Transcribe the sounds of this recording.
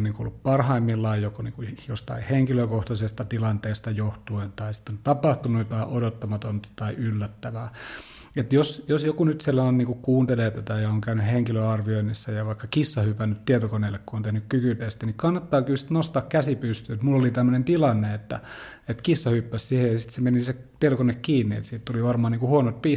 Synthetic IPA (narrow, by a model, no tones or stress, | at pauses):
nːiːŋkuo̰lːuppɑrhɑimːilːɑijjokoniːkujost̪ɑ̰iheŋkiløkoht̪ɑsest̪ɑt̪ilɑnt̪eːst̪ɑjoht̪uent̪ɑisi̥t̪ːˑont̪ɑpɑht̪unujt̪ɑiʔodot̪ːɑmɑt̪ont̪ɑ̥t̪ɑiʔylːæt̪ːæʋæː | et̪josjosjokunyt̪silːæonniːŋkukkuːnt̪eleːt̪æt̪æjɑoŋkæynyheŋkiløɑrʋioinːisːæjɑʋɑikːɑkisːɑhypænːyt̪t̪iet̪okoneːlːekkuont̪ehnykkykyt̪est̪ænikɑnːɑt̪ːɑːkylsi̥t̪nost̪ɑːkkæsipyst̪yet̪mulːolit̪æmːønent̪ilɑnːeet̪ːæ̰ | et̪kisːɑhypːæssihejɑsi̥t̪semeniset̪iet̪okonekkiːnːiḛt̪siːt̪t̪uliʋɑrmɑːniːkuhuonot̪̚pi